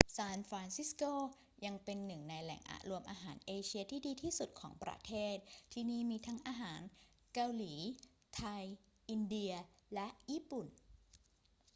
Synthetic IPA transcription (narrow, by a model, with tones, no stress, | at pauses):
saː˧nfɾaː˧nsi˦˥skoː˥˩ | ja˧ŋpe˧nːɯ˨˩ŋna˧jlɛ̰˨˩˦ŋʔa̰˨˩ɾu˧əmʔaː˧ɦaː˩˦nʔeː˧t͡ɕʰi˧ɐt̪ʰiː˥˩diː˧t̪ʰiː˥˩su˨˩t̪̚kʰɔ̰ː˩˦ŋpɾa̰˧t̪ʰeː˥˩t̪̚ʰːiː˧niː˥˩miː˧t̪ʰa˦˥ŋʔaː˧ɦaː˩˦n | ka˧wliː˩˦ | t̪ʰa˧j | ʔi˧ndi˧ɐlɛ˦˥ʔjiː˥˩pu˨˩n